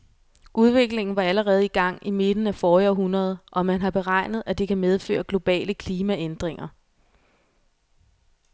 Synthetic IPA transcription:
ʔuð̞ˠʋe̝ɡ̥le̝ŋn̩ʋɑ̈æləʁɛːð̞̩ˠiɡ̥ɑ̈ŋ̰ime̝d̥n̩æfɒːɒɦunɐð̞ˠʔɒ̽mænɦɑ̈b̥e̝ʁɑ̈ɪ̰nð̞̩ˠæd̥ikʰæmeð̞ˠfø̰ːɐɡ̥lo̝b̥ɛ̰ːləkʰliːmæend̥ʁeŋɐ

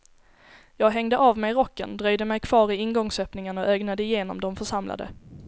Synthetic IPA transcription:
jɑːɡɦɛŋd̪əʔavmɛjɾɔkːə̰nd̪ɾœjd̪əmɛjkʰv̥ɑːɾɪɪnɡɔŋsœːpnɪŋənɔʔɛːɡnad̪əɪjeːnɔ̰md̪ɔmfœʂamla̰d̪ə̰

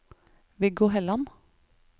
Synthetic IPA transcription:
ʋɪɡoːɦɛlɑn

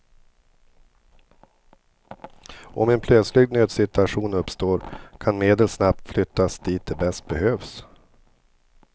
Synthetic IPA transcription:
ʔɔmɛnpʰlœt̪slɪɡnøːd̪sɪt̪ɵaɧuːnɵpst̪oːɾkʰanmeːd̪əlsnap̚t̪flʏt̪ːasd̪̥iːt̪̚d̪ɛbɛst̪̚bɛhøːvs

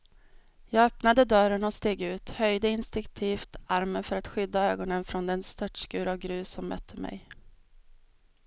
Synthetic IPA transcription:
jɑːɡœpnad̪əd̪œɾənɔst̪eːɡʉ̟ːt̪hœjd̪əɪnst̪ɪŋkt̪ʰiːft̪aɾmənfœɾat̪ɧʏd̪ːaøːɡɔnənfɾɔnd̪ɛnst̪ʰœʈʂkʉ̟ːɾavɡɾʉ̟ːsɔmːœ̰t̪ʰːəmɛ̰j

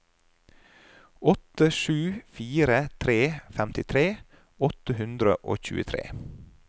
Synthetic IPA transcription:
ɔt̪əʃʉːfiːɾət̪ʰɾeːfæmt̪ʰɪt̪ʰɾeː | ɔt̪əhʉnd̪ɾə̰ʔo̰ːçʉ̰ːət̪ʰɾḛː

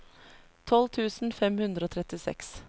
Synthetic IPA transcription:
t̪ʰɔlt̪ʰʉːsn̩fɛmhʉnd̪ɾəoːt̪ʰɾɛt̪ɪsɛ̰ks

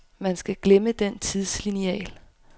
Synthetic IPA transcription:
mænsɡ̥æɡ̥leməd̥ent͡sʰið̞ˠsliniɛ̰ːl

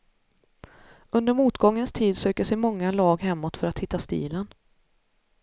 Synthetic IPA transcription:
ɵnd̪əɾmuːt̪ɡɔŋːənst̪ʰiːd̪søːkəʂɛjmɔŋːalɑːɡɦɛmːɔt̪fœɾat̪hɪt̪ːast̪ḭːlən

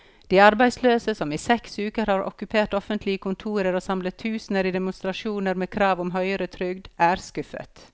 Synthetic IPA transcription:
d̪̥iːɑɾbæɪsløːsəsɔmiːsɛksʉːkəɾhɑːɾʔɔ̰kʉpʰeːʈɔfənt̪ʰlɪəkʰʊnt̪ʰuːɾəɾoːsɑmlət̪ʰːʉːsnəɾiːd̪ɛmʊnst̪ɾɑʃuːnəɾmeːkʰɾɑːʋʊmɦœʏəɾət̪ʰɾʏɡd̪æːɾskʉfə̰t̪

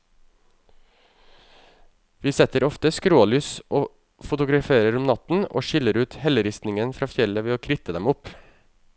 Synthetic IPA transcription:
ʋiːsɛt̪əɾɔft̪əskɾoːlyːsʔoː | fʊt̪ʊɡɾɑfeːɾəɾʊmnɑt̪n̩o̰ːʃɪləɾʉːt̪hɛləɾɪst̪nɪŋənfɾɑːfjɛləʋeːoːkʰɾɪt̪əd̪ɛmʊp

